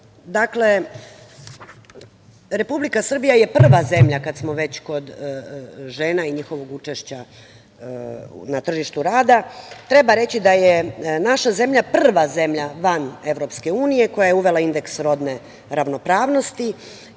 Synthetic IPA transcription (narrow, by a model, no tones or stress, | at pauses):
d̪akle̞ | ɾe̞publikasr̩bijaje̞pr̩ʋaze̞mʎakad̪smo̞ʋe̞t͡ɕko̞d̪ | ʒe̞ːnaiɲixo̞ʋo̞ɡut͡ʃeʃt͡ɕa | nat̪r̩ʒiʃt̪uɾaːd̪at̪ɾe̞baɾe̞t͡ɕid̪ajenaʃaze̞mʎapr̩ʋaze̞mʎaʋane̞ʋɾo̞pske̞uːnije̞ko̞jajeuʋe̞lˠaind̪e̞ksɾo̞d̪ne̞ | ɾaʋno̞pɾaːʋno̞st̪i